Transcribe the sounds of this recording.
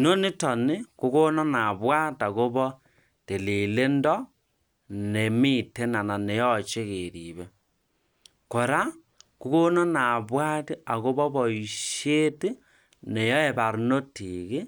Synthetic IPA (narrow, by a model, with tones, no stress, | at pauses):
no˦ni˦to˨ne˦ku˦ɣo˦nɔ˦na˨βwa˦ta˨ɣo˦βɔ˦ | te˨le˨le˦ndɔ˦ | ne˨mi˦te˦na˨na˨ne˨jɔ˦˨t͡ʃe˦ɣe˨ɾi˨βe˦ | ko˨ɾa˦ | ku˦ɣo˦nɔ˦na˨βwa˦ti˦a˨ɣo˦βɔ˦βɔ˨i˨ʃe˦ti˦ | ne˨jɔ˦e˦βa˨ɾu˨˦no˦tiɣe˦